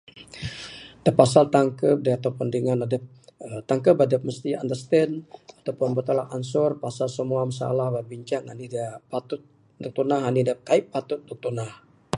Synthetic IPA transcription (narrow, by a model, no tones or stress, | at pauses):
d̥apasalt̪aŋkəp̚daat̪apundəŋanadəp̚ | t̪aŋkəbadəp̚məst̪ia̰nd̪əst̪ɛnat̪apuʊnbut̪alaʔansʊrpasalsəmuamasa̰lahbabiɲt͡ʃaŋanidəpat̪ʊt̪̚ | duk̚t̪unaɦanidəkaippːat̪ʊt̪̚duk̚t̪unah